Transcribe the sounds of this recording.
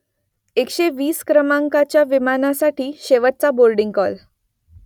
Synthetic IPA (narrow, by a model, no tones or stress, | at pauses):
ekɕeʋiːskɾəmaŋkat͡ɕjaʋimanasaʈiːɕeʋət̪̚t͡sabolɖiŋɡkɔl